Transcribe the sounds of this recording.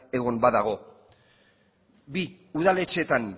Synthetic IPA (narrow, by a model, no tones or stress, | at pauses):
e̞ɣo̞mbaðaɣ̞o̞ | bi | uð̞ale̞t͡ʃe̞t̪an